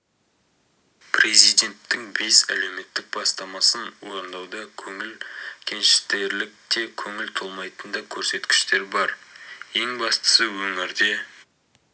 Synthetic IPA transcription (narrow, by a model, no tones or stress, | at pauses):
pʰɾe̞zijd̪e̞nt̪ːɪŋbe̞sæle̞wme̞t̪ːɪk̚bɑst̪ɑmɑsənwo̞ɾənd̪ɑwd̪ɑkʲʰɵŋɪlkʲʰe̞nʃɪ̥t̪e̞ɾlɪk̚t̪e̞kʲʰɵŋɪlt̪ʰolˠmɑjt̪ənd̪ɑkʲʰɵɾse̞t̪kʲɪ̥ʃt̪e̞ɾbɑɾje̞ŋbɑst̪ə̥səwɵŋɪɾd̪e̞